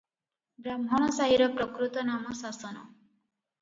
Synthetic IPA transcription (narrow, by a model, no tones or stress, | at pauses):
bɾamɦɔɽ̃ɔsaɦiɾɔpɾɔkɾut̪ɔnamɔsasɔnɔ̰